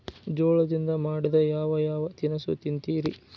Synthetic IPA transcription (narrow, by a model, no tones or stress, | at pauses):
d͡ʒɔːɭɐd̪ind̪ɐmaːɽid̪ɐjaːʋɐjaːʋɐt̪inɐsṵt̪int̪iːɾi